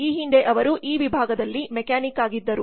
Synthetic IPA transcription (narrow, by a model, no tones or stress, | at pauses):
iːɦiɳɖeʔɐʋɐɾuʔiːʋibʱaːɡɐd̪ɐlːimɛkaːnikaːɡid̪ːɐɾu